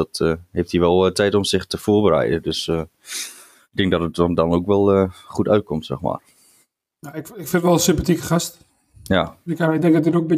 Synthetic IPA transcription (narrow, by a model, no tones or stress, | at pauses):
dɔtəhejftiʋɛlˠtɛjtɔmsɪχtəfoːrbəɾɛ̰jdədøsə | ɪɡ̚dɪ̃ŋk̚dɔtət̚ɔdɔnoːkʋɛlˠəχutœɥt̚kɔmtsɛ̰xma̰ːr | naɪkɪkfɪntʋɛlˠəsɪmpatikəχast | jaɪkaɪdɛŋk̚dɔtdɪtok̚mbɪ